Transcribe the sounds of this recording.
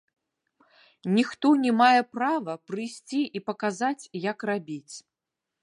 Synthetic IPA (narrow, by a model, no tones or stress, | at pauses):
nʲixt̪ɔnʲɛmajɛpravɐpɾɨjsʲt͡sʲiʔipɐkazat͡sʲjɐkrabʲit͡sʲ